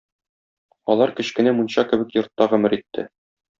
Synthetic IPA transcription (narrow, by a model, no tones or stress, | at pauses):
ɒlˠɑɾkɘ̆ɕkɘ̆næmunɕɑkɘ̆bɘkjŏɾt̪ːɑʁɵ̆mɘ̆ɾit̪ʰːɘ̰